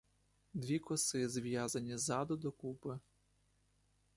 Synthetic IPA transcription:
d̪ʋʲikɔsɪzʋʲjazɐnʲizɑd̪ʊd̪ɔkupɪ

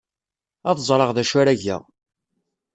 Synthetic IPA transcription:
ɑðzˤɾˤɑʁðæʃæɾæʝæ̰

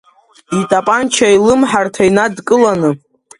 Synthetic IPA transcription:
itʼapʼant͡ʃʰailɨmħartʰainadkʼɨlanɨ

